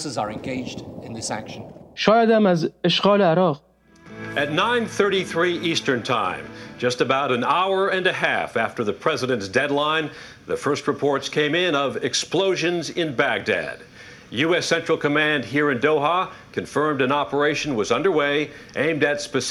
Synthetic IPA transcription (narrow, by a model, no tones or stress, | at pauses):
sɨzə˞ɨ̃nɡeɪd͡ʒdɪ̃nðɪsæŋkʃə̃nʃɔːjæd̪æ̃mæzeʃɡɒːleaɾɒːʁ | ʔɨtⁿnãɪ̃nθɜ˞ɾiθɹiʔistə̃˞ntʰã̰ɪ̃md͡ʒʌstɨbaʊɾɨ̃naʊə˞ɨ̃nɨɦæ̰fæftə˞ðɨpʰɹ̥ɛzɨɾɨ̃ntsd̥ɛdˡlãɪ̃n | ðɨfɜ˞st̚ɹɨpʰɔɹtskʰẽɪ̃mɪ̃nʌvɪksploʊʒɨ̃nzɪ̃nbæɡ̚dæ̰d̥ | jʉɛsɛ̃nt͡ʃɹ̥l̩ˠkʰɨmæ̃nd̚ɦiɹɨ̃ndoʊɦɑkʰɨ̃ɱfɜ̃˞mdɨ̃nɑpə˞eɪʃɨ̃nwʌzʌ̃ndə˞weɪʔḛ̃ɪ̃mdɨtspɨs